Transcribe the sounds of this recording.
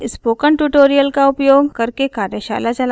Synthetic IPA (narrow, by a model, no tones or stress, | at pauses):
spoːkəɳʈuːʈoːɾijəlkaʊpjoːɡkɐɾkekaːɾjəʃa̰ːlat͡ʃɐl